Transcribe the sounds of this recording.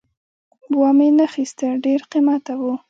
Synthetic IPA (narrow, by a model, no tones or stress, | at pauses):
bwɑmenəxist̪əɖeɾqimat̪awu